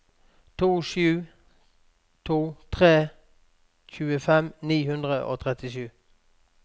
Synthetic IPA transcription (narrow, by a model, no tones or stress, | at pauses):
t̪ʰuːʃʉː | t̪ʰuːt̪ʰʁeː | çʉːəfɛmniːhʉnd̪ʁəʔo̰ːt̪ʰʁɛt̪ɪʃʉː